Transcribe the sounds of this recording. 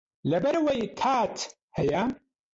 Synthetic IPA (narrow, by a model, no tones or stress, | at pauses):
lɐbɐɾwɐjkʰaːt̪ʰ | hɐja